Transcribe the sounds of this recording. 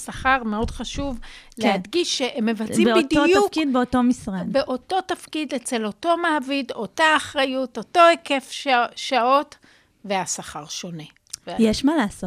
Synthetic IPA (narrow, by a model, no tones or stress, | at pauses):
saχaʁme̞o̞dχaʃuvlehadɡiʃːeʔemːevat͡simitd̪jufkid̚beotomisʁadbeʔo̞to̞tafkidet͡se̞loto̞maːvido̞taːχʁajuto̞to̞eke̞fʃao̞t | ve̞asaχaʁʃo̞ne̞ | vjeʃmalaːsot